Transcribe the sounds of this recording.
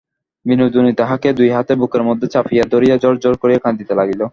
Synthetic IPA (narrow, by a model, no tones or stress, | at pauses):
binud̪unit̪aɦaked̪ujɦat̪ebukeɾmod̪ʱːet͡ɕafijad̪oɾijad͡ʑɔɾd͡ʑoɾkoɾijekʰand̪it̪elaɡilo